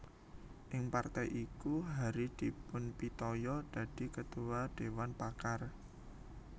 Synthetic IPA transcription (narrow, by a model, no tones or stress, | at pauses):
ʔɪŋpart̪ɛjʔikuɦaɾid̪̥i̤pʊnpit̪ɔjɔd̪̥ä̤d̥i̤kət̪uwad̪̥e̤wanpakar